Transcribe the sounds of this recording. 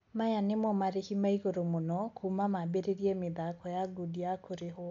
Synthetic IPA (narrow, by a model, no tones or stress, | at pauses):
majanemɔmaɾehimaiɣoɾomonɔkʰumamabeɾeɾiemɪðakɔjaɡodiakoɾeɦo